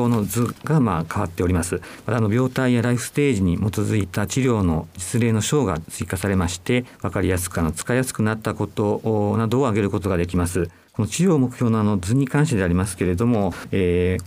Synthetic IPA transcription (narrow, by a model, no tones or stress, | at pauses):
oːno̞d͡zɨɡamaːkʰaβ̞at̪ːe̞o̞ɾʲimasɨmat̪aːno̞bʲo̞ːt̪aijaɾaiɸɯ̥st̪e̞ːʑiɲ̟imo̞t̪o̞zɨit̪at͡ɕiɾʲo̞ːno̞d͡ʑi̥t͡sɨɾe̞ːno̞ɕo̞ːɡa̰t͡sɨikasaɾe̞maɕi̥t̪e̞βakaɾʲijasɨ̥kɯano̞t͡sɨ̥kajasɨ̥kɯ̟nat̪ːako̞t̪o̞nad̪o̞ːaɡe̞ɾɯ̟ko̞t̪o̞ɡad̪e̞kʲimasɨ | ko̞no̞t͡ɕiɾʲo̞ːmo̞kɯ̟̥çjo̞ːnoano̞d͡zɨɲ̟ikãɰ̃ɕ̬t̪eeaɾʲimasɨ̥ke̞ɾe̞d̪o̞mo̞eː